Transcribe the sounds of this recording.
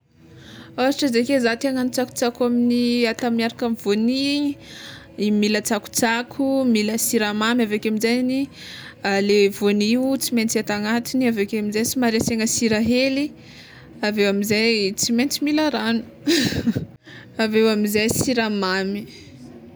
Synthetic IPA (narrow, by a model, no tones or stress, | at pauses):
aiʈ͡ʂəzekezat̪eŋənit͡saku̥t͡sakaminiat̪amiaɾakamivoniɲ | milət͡saku̥t͡sakʰumiləsiɾamamavekeaminzajnialevoniwt͡siment͡siat̪aŋat̪iniavekeamizajsimaɾeseŋəsiɾaɦeli | avewamizajt͡siment͡similaɾanu̥ | avewamizajsiɾamami